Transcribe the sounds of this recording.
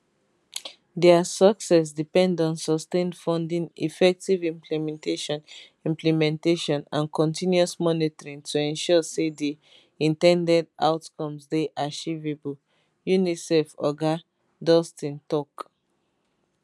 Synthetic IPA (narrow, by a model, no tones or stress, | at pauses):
dɛasɔksɛs̬dipɛ̃ndɔ̃nsɔstẽnfɔ̃ndĩnḭfɛk̚tivĩmpʰlimɛ̃nteʃɔ̃n | ĩmplimɛ̃nteʃɔ̃nã̰nkʰɔ̃ntĩnjuɔsmɔnitɔɹĩŋtʰuɛ̃nʃɔsedi | ĩntɛ̃ndɛda̰ʊtkɔ̃msdeʔat͡ʃivebu | junisɛfɔ̰ɡa | dɔstĩntɔk